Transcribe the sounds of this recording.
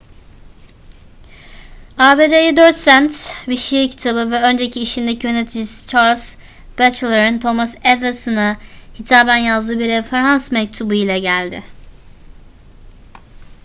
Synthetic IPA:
aːbe̞ːd̪ejid̪øɾt̪sænt̪viʃijiɾcʰi̥t̪ʰabɯvɛø̞nd͡ʒe̞cʰiːʃind̪ecʰijø̞ne̞t̪ʰid͡ʒisi̥t͡ʃʰaɾlʲs | b̥æt͡ʃlˠeɾɯnt̪ʰo̞masɛd̪asɯnahit̪ʰaːbænjazd̪ɯːbiɾefe̞ɾansmɛc̚t̪ʰubuilʲɛɟælʲd̪ɪ̰

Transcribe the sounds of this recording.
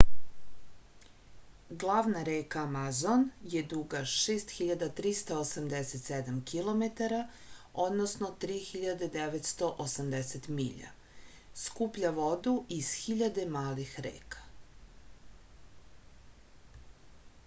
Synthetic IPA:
ɡlˠaːʋnaɾeːkaːmazonjed̪uɡaʃeːst̪xiʎad̪at̪ɾist̪aosamd̪eset̪sed̪amkilomet̪aɾa | o̞d̪nosnot̪ɾiːxiʎad̪ed̪eʋet̪st̪o̞ʔosamd̪eset̪mḭːʎa̰ | skupʎaʋod̪uiz̥xiʎad̪e̞maːlixɾḛːkḁ

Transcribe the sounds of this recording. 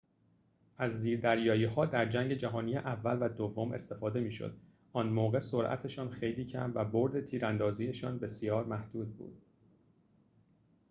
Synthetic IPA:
ʔæzːiːɾd̪æɾjɒːjiːhɒːd̪æɾd͡ʒæŋɟe̞d͡ʒæɦɒːniːjeʔævːælvæd̪ovːo̞mʔe̞̰st̪e̞fɒːd̪e̞miːʃo̰d̪ | ʔɒːnmoːɣe̞so̞ɾʔæ̰t̪ʰe̞ʃɒːnxe̞jliːcʰæ̰mvæbo̞ɾd̪e̞t̪ʰiːɾænd̪ɒːziːeʃɒːnbe̞sjɒːɾmæhd̪̥uːd̪̚bṵːd̪̥

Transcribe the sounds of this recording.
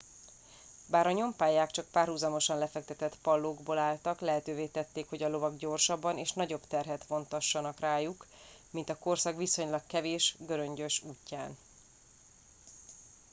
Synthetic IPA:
baːɾɒɲo̞mpaːjaːkt͡ʃɒk̚paːrhuzɒmo̞ʃɒnlɛfɛk̚t̪ɛt̪ɛt̪pɒlːoːɡboːlaːlt̪ɒklɛɦɛt̪øːveːt̪ɛt̪ːeːkho̞ɟɒlo̞vɒɡɟo̞rʃɒbːɒneːʃnɒɟo̞bt̪ɛrɦɛt̪ʋo̞nt̪ɒʃːɒnɒkraːjuk | mint̪ɒko̞rsɒkʋiso̞ɲlɒkkːɛveːʃɡøɾøɲɟøʃuːcːaːn

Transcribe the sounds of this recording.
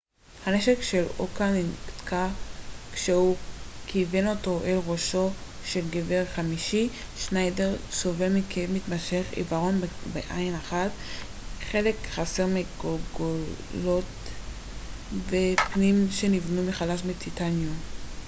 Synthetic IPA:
haneʃekʃelokanintkʰakʃehukʰiveno̞to̞ʔelʁoʃo̞ʃe̞lɡeveʁχamiʃi | ʃnajdeʁsovelmikʰemit̪maʃe̞χḭvaʁo̞nbeʔajnaχat | χe̞le̞kχaseʁmiɡolɡolo̞t | vepnimʃe̞nivnumiχalaʃbet͡sitanjo

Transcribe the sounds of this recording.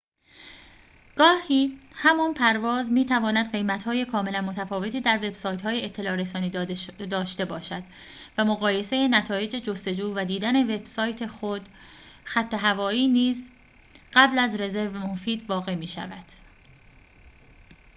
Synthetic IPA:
ɡ̥ɒːhiːhæmɔnpʰæɾvɒːzmiːt̪ʰævɒːnæd̪ɢe̞jmæt̪hɒːje̞kʰɒːme̞lænmo̞t̪ʰæfɒːve̞t̪iːd̪æɾve̞bsɒːjt̪hɒːjeet̪ʰːe̞lɒːɾesɒːniːd̪ɒːʃt̪e̞bɒːʃæd̪̥ | væmoɣɒːje̞se̞jenæt̪ʰɒːje̞d͡ʒed͡ʒo̞st̪e̞d͡ʒuːvæd̪iːd̪æne̞ve̞b̥sɒːjt̪ʰe̞xod̪̥xæt̪ʰːe̞ɦævɒːiːniːz | ɢ̥æblæzɾe̞ze̞ɾvemofiːd̪vɒːɣe̞miːʃæ̰væd̪̥

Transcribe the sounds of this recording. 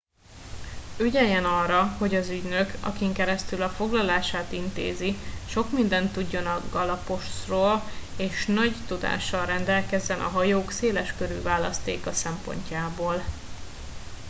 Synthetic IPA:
yɟɛjɛnɒrɒho̞ɟɒzyɟnøkʰɒ̰kiŋkɛɾɛst̪ylɒfo̞ɡlɒlaːʃaːt̪int̪ḛːziʃo̞kmind̪ɛnt̪ːuɟːo̞nɒɡɒlɒpo̞ʃt̪roːleːʃnɒɟt̪ud̪a̰ːʃːɒlrɛnd̪ɛlkɛzːɛnʔɒ̰ɦɒjoːkseːlɛʃkøɾyːvaːlɒst̪ḛːkɒsɛmpo̞̰ɲcaːboːl

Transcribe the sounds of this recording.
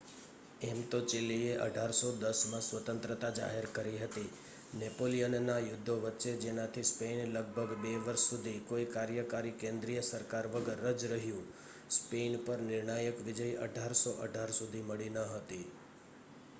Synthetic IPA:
ɛmt̪ot͡ʃɪlːieʔə̰ɖʱaɾsod̪əsmãsʋət̪ə̃nt̪ɾət̪ad͡ʒa̰ɦeɾkəɾiɦət̪i | nepolijənnajʊd̪ʱːoʋətːʃed͡ʒenat̪ʰispenləɡ̚bʱəɡbeʋəɾʃːud̪ʱikoikaɾjəkaɾikẽnd̪ɾijəsəɾkaɾʋəɡəɾːəd͡ʒɾəɦjũ | spenpəɾnɪɾɳajəkʋɪd͡ʒəjʔə̰ɖʱaɾsoʔəɖʱaɾsud̪ʱiməɭinəɦət̪i

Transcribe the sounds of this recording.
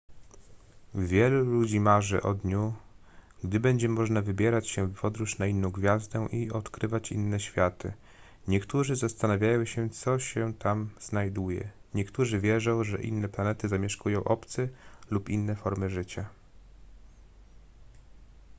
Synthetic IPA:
vʲjɛlulud͡ʑimaʐɘ̰ʔɔd̪ɲu | ɡd̪ɘbɛɲd͡ʑɛmɔʐnavɘbʲjɛɾat͡ɕɕɛvpɔd̪ɾuʂnainːɔ̃w̃ɡvʲjazd̪ɛʔiɔt̪kɾɘvat͡ɕḭnːɛɕfʲjat̪ɘ̰ | ɲɛkt̪uʐɘzast̪anavʲjajɔ̃w̃ɕɛt̪sɔɕɛt̪amz̥najd̪ujɛ̰ɲɛkt̪uʐɘvʲjɛʐɔ̃w̃ʐɛ̰ʔḭnːɛplanɛt̪ɘzamʲjɛʂkujɔ̃w̃ʔɔpt̪sɘlupinːɛfɔɾmɘʐɘt͡ɕa

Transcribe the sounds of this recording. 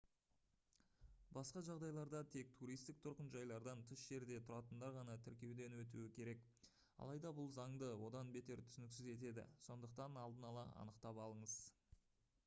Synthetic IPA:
bɑsqɑʒɑʁd̪ɑjlˠɑɾd̪ɑt̪ʰe̞k̚t̪ʰuɾijst̪ɪk̚t̪ʰʊɾqənʒɑjlˠɑɾd̪ɑnt̪ʰʏsʒ̥e̞ɾd̪e̞t̪ʰʊɾɑt̪ənd̪ɑɾʁɑnɑt̪ʰɪɾkʲe̞wd̪e̞nwɵt̪̬uɪkʲʰe̞ɾe̞k | ɑ̰lˠɑjd̪ɑbʊlˠzɑŋd̪əwo̞d̪ɑnbe̞t̪e̞ɾt̪ʰʏ̥sɪnɪksɪze̞t̪e̞d̪ɪ̰so̞nd̪əq̚t̪ɑnɑlˠd̪ənɑlˠɑ̰ɑ̰nəqt̪ɑpɑlˠəɴəz̥

